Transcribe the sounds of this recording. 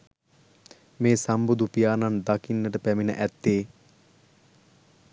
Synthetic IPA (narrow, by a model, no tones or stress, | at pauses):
meːsambud̪upijaːnand̪akinːəʈəpæminə̰ʔæt̪ːeː